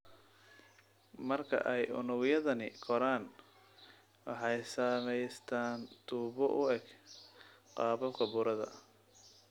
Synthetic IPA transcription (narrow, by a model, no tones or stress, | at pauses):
mɐrkʰɐ̰ʔɛjʊ̰nʊɣjɐðɐnɪkʰɔɾaːn | wɑħɑjsaːmɛjst̪ʰaːnt̪ʰuːβɔʔʊɛɡ | qɑːbɐbkʰɐbʊɾɐðɐ̰